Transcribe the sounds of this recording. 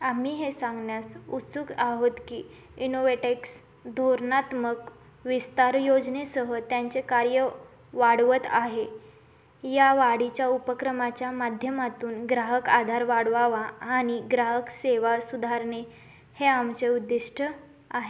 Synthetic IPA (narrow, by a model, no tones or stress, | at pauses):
am̤iːɦesãŋɡɳjasut̪sukaɦot̪kiː | inoʋeʈeks | d̪ʱoɾnat̪mək | ʋist̪aɾjod͡znesəɦət̪jaɲt͡sekaɾjə | ʋaɽʋət̪aɦe | jaʋaɽit͡ɕjaupəkɾəmat͡ɕjamad̪ʱjəmat̪uːnɡɾaɦəkad̪ʱaɾʋaɽʋaʋaːɽ̃iɡɾaɦəkseʋasud̪ʱaɾɳe | heamt͡seud̪ːiʂʈʰə | aɦe